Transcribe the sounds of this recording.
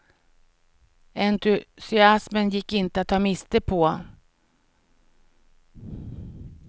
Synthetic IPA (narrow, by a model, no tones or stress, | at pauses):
ɛnt̪ɵsɪasmənjɪkːɪnt̪əat̪ʰːɑːmɪst̪əpʰɔ